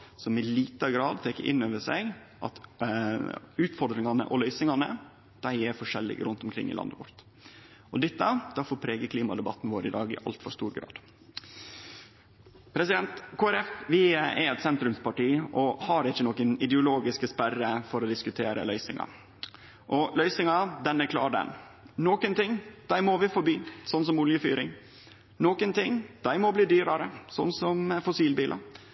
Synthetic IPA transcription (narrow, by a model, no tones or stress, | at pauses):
sɔmɪliːt̪əɡɾɑːd̪̚t̪ʰeːkːəɾʔɪ̰nːøːʋəʂæɪɡ | ʔɑ̰t̪ | ʉːt̪fɔɾd̪ɾɪŋɑnə̰ʔɔlœʏsɪŋɑnə̰ | d̪̥æɪɛɾfɔʂɛlːɪ̰ɡɾʉnt̪ʊmkʰɾɪ̰ŋːɪ̰lɑ̰nd̪əʋʊ̰ɾt̪ | ʔɔd̪ɪt̪ːəd̪̥ɑfoːɾpʰɾeːɡəkʰliːmɑd̪ɛbɑt̪ːnʋoːɾəɪd̪ɑːɡɪ̰ʔɑ̰lt̪fɔɾʂt̪uːɾɡɾɑ̰ːd̪̥ | pʰɾɛsɪd̪ɛnt̪kʰoːæɾɛfʋɪɛɾɛt̪sɛnt̪ɾʉmspɑʈiːʔɔhɑɾɪçːənɔkənɪd̪ɛʊloːɡɪskəspærəfɔɾɔd̪ɪskʉt̪ʰeːɾə̰lœʏsɪŋɑ̰ | ʔɔlœʏsɪŋɑd̪ɛnɛkʰlɑːɖɛ̰n | nɔkənt̪ɪŋːd̪̥æɪmɔʋɪfɔɾbiːsɔnːsɔmʊljəfyːɾɪŋ | nɔkənt̪ɪŋd̪̥æɪmɔbliːd̪yːɾɑɾəsɔnːsɔmfʊsiːlbiːlʔɑ̰